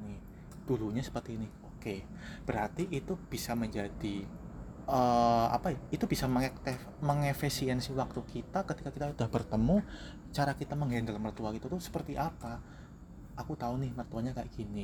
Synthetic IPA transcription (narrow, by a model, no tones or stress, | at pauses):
nɪh | d̥uluɲasə̥pərt̪iːnɪhoke | b̥əɾart̪iʔit̪ub̥isaməɲd͡ʒadi | ʔəa̰pajait̪ub̥isaməŋɛkt̪e | məŋefesiɛnsɪwak̚t̪ukit̪akət̪ikakit̪audahbərt̪əmu | t͡ʃaɾakit̪aməŋɦaandalamərt̪uakit̪ut̪uhsə̥pərt̪iʔapa | ʔakut̪aunɪhmərt̪uaɲakaʔɡ̥ini